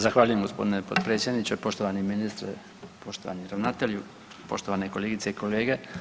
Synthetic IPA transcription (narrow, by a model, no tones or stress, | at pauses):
zaxʋaːʎuje̞mɡo̞spo̞d̪inepo̰d̪pɾet̪sʲjed̪nit͡ɕopo̞ʃt̪oʋaniminist̪ɾḛ | po̞ʃt̪oʋa̰niɾaʋnat̪eʎu | po̞̰ʃt̪oʋanekoleːɡit̪seiko̞leːɡe